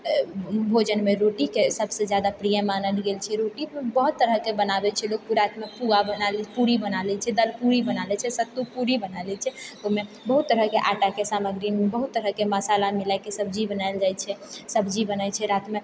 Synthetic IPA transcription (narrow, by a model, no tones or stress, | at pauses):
bʱod͡ʒənmeɾoʈikesəbsed͡ʒjad̪apɾijəmanəlɡelt͡ʃʰɛɾoʈiebəɦut̪ːəɾəkebənabɛt͡ʃʰɛlok̚puɾat̪mepuɡabənalɛpuɾibənalɛt͡ʃʰɛd̪əlpuɾibənalɛt͡ʃʰɛsət̪upuɾibənalɛt͡ʃʰɛome | bəɦut̪ːəɾəkeʔaʈakesaməɡɾimebəɦut̪ːəɾəkeməsalamilakesəbʱd͡ʒibənaɪld͡ʒajt͡ʃʰɛsəbʱd͡ʒibənajt͡ʃʰɛɾat̪me